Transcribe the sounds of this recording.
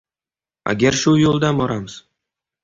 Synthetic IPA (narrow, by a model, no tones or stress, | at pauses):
a̰ɡʲaɾʃʊjolˠd̪abɒɾamɪz̥